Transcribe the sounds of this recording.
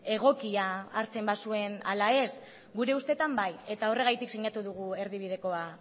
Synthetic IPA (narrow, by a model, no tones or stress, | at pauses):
e̞ɣ̞o̞kiaːɾt͡se̞mbasue̞na̰lae̞s | ɡuɾe̞ust̪e̞t̪ambaje̞t̪ao̞re̞ɣ̞ajt̪iksiɲat̪uðuɣ̞ue̞ɾðiβ̞ið̞e̞ko̞a